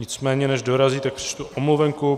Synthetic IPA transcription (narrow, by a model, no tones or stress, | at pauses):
ɲɪt͡smɛːɲɛnɛʒdo̞ɾaziːt̪ak̚pr̥ɪ̥t͡ʃt̪uʔomluvɛŋku